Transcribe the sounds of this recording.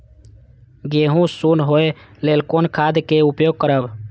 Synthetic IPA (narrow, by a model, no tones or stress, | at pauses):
ɡeɦũsunɦoelelkonkʰad̪keupjoɡ̚kəɾəb